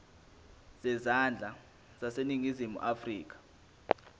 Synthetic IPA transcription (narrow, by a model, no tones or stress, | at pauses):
z̥ɛzand͡ɮʱa | z̥aseniŋizimṵʔafriːk̬ḁ